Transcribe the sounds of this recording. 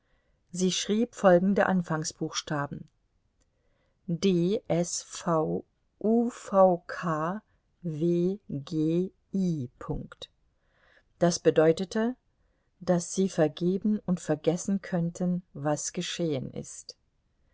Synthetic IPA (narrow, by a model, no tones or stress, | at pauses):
ziːʃʁ̥iːpfɔlɡŋ̩dəʔanfaŋsb̥uːxʃtaːbm̩ | deːʔɛsfaʊ | ʔuːfaʊkʰaː | veːɡeː | iːpʰʊŋkt | d̥asb̥ədɔʏtətʰə | d̥asz̥iːfɛɐɡeːbn̩ʊntfɛɐɡɛsn̩kʰœntʰənvasɡ̥əʃeːənʔɪ̰st